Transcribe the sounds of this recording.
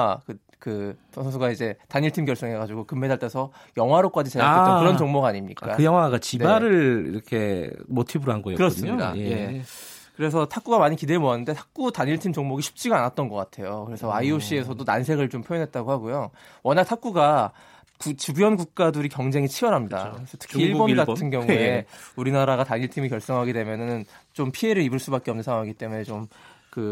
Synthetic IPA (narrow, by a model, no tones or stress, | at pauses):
kɯ | kɯsʰʌsʰʌns̬ʰuɡaid͡ʑe̞taɲiɭtʰimkjʌɭs͈ʌŋɦe̞ɡad͡ʑuɡokɯmːe̞daɭt͈ʰesʰʌ | jʌŋɦwaɾok͈ad͡ʑisʰakɯɾʌnt͡ɕʌŋmoɡaɲimɲḭk͈a̰ɯjʌŋɦwaɡat͡ɕinebaɾɯɭḭɾʌkʰe̞motʰibɯɾoɦanɡʌeokɯɾʌsɯmɲoida̰eje̞ | kɯɾes̬ʰʌtʰak͈̚uɡamaɲikidemoanːɯnde̞tʰak̚k͈utaɲiɭtʰimt͡ɕoŋmoɡiɕʰi̥p̚t͡ɕ͈iɡanat̚t͈ʌnɡʌk͈atʰe̞jokɯɾe̞sʰʌaioɕ͈ie̞sʰʌdona̰nsʰe̞ɡɯɭt͡ɕompʰojʌnɦe̞t̚t͈aɡohaɡojo | wʌɲak̚tʰak̚k͈uɡa | kut͡ɕubujʌnɡuk̚k͈adɯɾikjʌŋd͡ʑe̞ŋit͡ɕʰiʌɾɦamɲida̰ɯesʰʌtʰɯ̥kkiiɭbonɡattʰɯnɡjʌŋeuɾinaɾaɣataɲiɭtʰimikjʌɭs͈ʌŋɦaɡide̞mjʌnɯnt͡ɕompʰie̞ɾɯɾibɯɭs͈ubak͈eʌmnɯnsʰawaŋiɡit͈e̞mune̞t͡ɕom | kɯ